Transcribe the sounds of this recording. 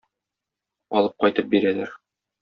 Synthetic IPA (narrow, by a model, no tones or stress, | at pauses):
ɒ̰lˠɤp̚qɒjt̪ɤp̚biɾælæɾ